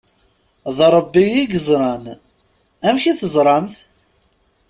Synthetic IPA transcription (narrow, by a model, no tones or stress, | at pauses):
ðˤɾˤəbːijiɡəzˤɾˤɑn | æmçiθəzˤɾˤɑmθ